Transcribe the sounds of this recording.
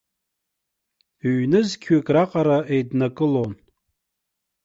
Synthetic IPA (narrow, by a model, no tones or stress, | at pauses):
ɥnɨzkʲʰekʼraqʼaɾaejdnakʼɨlon